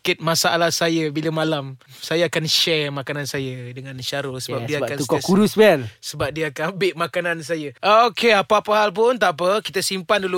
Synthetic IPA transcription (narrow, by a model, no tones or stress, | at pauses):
kɪt̪̚mãsaʔalahsajəbiləmãlam | sajaakanʃɛrmakanansajadəŋãnʃaɾosəbapdiəakant̪ukɔkuɾusbɛlsəbap̚diəakanambɪʔmakanans̬ajəokeapaapaɦalp̬ʊnt̪aʔp̬əkit̪asimpandulu